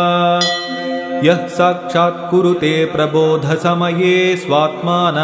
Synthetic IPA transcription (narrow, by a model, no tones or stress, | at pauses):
jɐɦsaːkʂaːt̪̚kuɾut̪eːpɾɐboːd̪ʱɐsɐmɐjeːsʋaːt̪maːnɐ